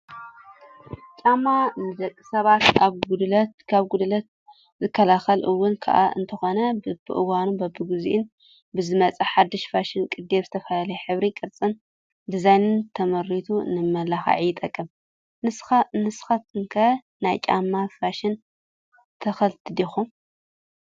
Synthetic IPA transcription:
t͡ʃʼamanɨd̪ɐkʼːɨ̥sɐβat̪aβɡud̪lɐt̪kʰaβɡud̪lɐt̪̚ | zɨkʰːɐlaxɐlʔɨwːʊnkʰa̰ʔa̰ɨ̰nt̪ʰɐxo̞nɐbɨbɨ̰ʔɨwanunbɐbːɨɡɨzḭʔɪn | bɨzɨmɐt͡sʼɐħad̪ːɨʃfaʃɪnkʼɨd̪ːe̞βzɨt̪ʰɐfɐlalɐjɛħɨβɾikʼɨɾt͡sʼɨn | d̪ɨzajnɨnt̪ʰɐmɐɾit̪ʰunɨmɐlaxa̰ʕijɪt̪ʼɐkʼːɨm | nɨsnɨsxɐt̪ɨŋkʰɐ | najt͡ʃʼa̰mːafaʃɪn | t̪ʰɐxɐlt̪ʰɨd̪ixum

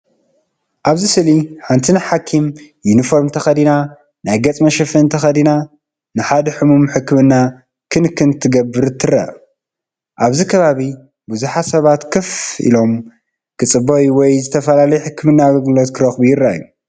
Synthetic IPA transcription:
ʔaβzisɨliħant̪ʰinaħakʰimjunifo̞ɾmnt̪ʰɐxɐd̪ina | najɡɐt͡sʼmɐʃɛfɨɨnt̪ʰɐxɐd̪ina | nɨħad̪ɐħɨmumħɨkːɨmɨnːa | kʰɨnkʰɨnt̪ʰɨɡɐbːɨɾɨt̪ʰːɨɾɐ̰ | ʔaβzikʰɐβaβi | buzuħasɐβat̪kʰɨfḭlo̞m | kʰɨt͡sʼɨbojwɔjzɨt̪ʰɐfɐlalɐjɛħɨkːɨmɨnːaːɡɐlɡlot̪kʰɨɾɐxbujɪɾːaa̰jːu

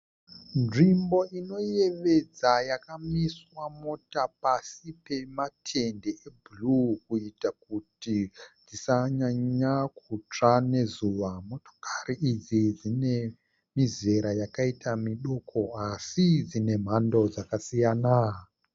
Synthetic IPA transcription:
nʐimbo̞ʔino̞je̞ʋe̞d͡zajakamiswamo̞tapasipe̞matʰendeebʱulukuitak̚utid͡zisaɲaɲakut͡ʂane̞zuʋamo̞to̥kariid͡zid͡zine | mize̞ɾajakaitʰamiɗo̞kʰo̞asid͡zine̞m̤ando̞d͡zakasijana

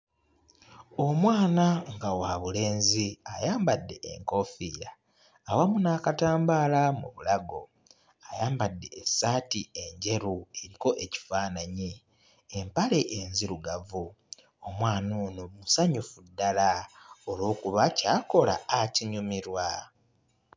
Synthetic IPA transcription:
o̞mwaːnaŋɡawaβule̞ːnziajaːmbadːe̞ʔḛŋko̞fiɾaː | wamunaːkataːmbaːlamṵβulaɡo̞ | ajaːmbadːe̞ːsaːtie̞ɲɟe̞ɾue̞ɾiko̞ʔe̞ci̥faːnaɲi | empale̞ʔenziɾuɡavu | omwaːnuːnumusaɲufudːalaolo̞ːkuβacaːko̞la̰ːciɲumiɾwa

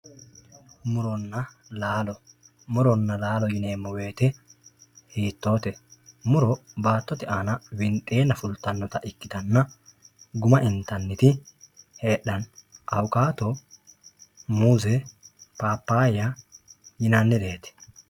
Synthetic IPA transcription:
mʊɾɔnːɐ | laːlɔ | mʊɾɔnːɐlaːlɔjɪneːmːɔwe̞ːt̪ɛ | hiːt̪ːo̞ːt̪ɛmʊɾɔbaːt̪ːɔt̪ɪʔaːnɐwɪntʼe̞ːnːɐfʊlt̪ːɐnːɔt̪ɐʔɪkːɪt̪ɐnːɐ | ɡʊmɐʔɪnt̪ɐnːɪt̪ɪheːɗːɐnʔɐwkaːt̪ɔ | muːzɛpaːpːaːjajɪnɐnːɪd̪e̞ːt̪ɛ̥

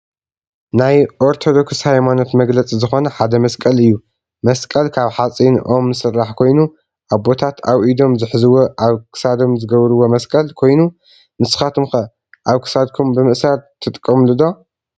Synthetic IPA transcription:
najʔoɾt̪ʰo̞d̪o̞kshajmanot̪mɐɡlɐt͡sʼizɨxo̞nɐħad̪ɐmɐskʼɐlɨjːu | mɐskʼɐlkʰaβħat͡sʼinʔo̞mnɨsɨrːaħkʰo̞jnu | ʔaβbo̞t̪ʰat̪ʰaβʔid̪o̞mzɨħzɨwoʔaβkʰɨ̥sad̪o̞mzɨɡɐβɾɨwo̞mɐskʼɐlkʰo̞jnu | nɨsɨ̥xat̪ʰɨmxɐ | ʔaβkʰɨ̥sad̪̚kʰumbɨmɨʔsaɾt̪ʰɨt̪ʼkʼːɐmlɨd̪o̞

